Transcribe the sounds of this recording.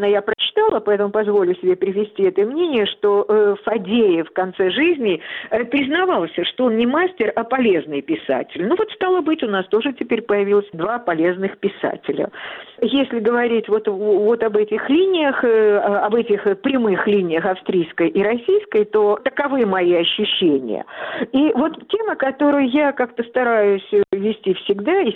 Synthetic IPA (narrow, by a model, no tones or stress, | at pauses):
najapɾət͡ɕɪ̥t̪alˠəpɐɛt̪əmʊpɐzvo̞lʲʊsʲɪbʲepɾʲɪvʲɪsʲtʲiɛt̪əmnʲenʲɪjəʂt̪ofɐdʲejɪfkɐnt̪sɛʐɨzʲnʲɪpɾʲɪznɐvɑlˠsʲəʂt̪oonnʲɪmasʲtʲɪrɐpɐlʲe̞znɨjpʲɪsa̰tʲɪlʲnuvo̞t̪st̪alˠəbɨtʲʊnast̪o̞ʐɨtʲɪpʲeɾʲpəjɪvʲilˠəsʲd̪vapɐlʲe̞znɨxpʲɪsa̰tʲɪlʲə̰jesʲlʲɪɡəvɐɾʲitʲvo̞t̪vo̞t̪ɐbɛtʲɪxlʲinʲɪjəxɐbɛtʲɪxpɾʲɪmɨxlʲinʲɪjəxɐfst̪ɾʲijskəjʔɪɾɐsʲijskəjt̪o̞t̪əkɐvɨəmɐiɐɕːʊɕːenʲɪ̰jə̰ivo̞t̪tʲe̞məkɐt̪o̞ɾʊjʊjakak̚t̪əst̪ɐɾajʊsʲvʲɪsʲtʲifsʲɪɡd̪a